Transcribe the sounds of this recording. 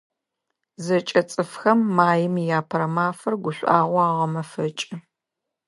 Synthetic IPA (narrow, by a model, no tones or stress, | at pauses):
zɐt͡ʃʼɐt͡sʼɨfxɐmːaːjɪmijaːpʰɐɾɐmaːfɐrɡʷʊɕʷʔaːʁʷaːʁɐmɐfɐt͡ʃʼɪ